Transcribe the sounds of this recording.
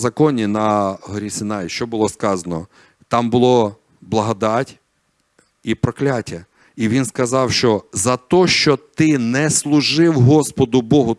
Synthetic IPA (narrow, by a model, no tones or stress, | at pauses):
zɐkɔnʲinɐɦɔɾʲisɪnɑjʃt͡ʃɔbʊlˠɔskɑzɐnɔ | t̪ɑmbʊlˠɔ | blˠɐɦɔd̪ɑtʲ | ipɾɔklʲatʲːɐ | iʋʲinskɐzɑwʃt͡ʃɔzɐt̪ɔʃt͡ʃɔt̪ɪnɛslˠʊʒɪwɦɔspɔd̪ʊbɔɦʊ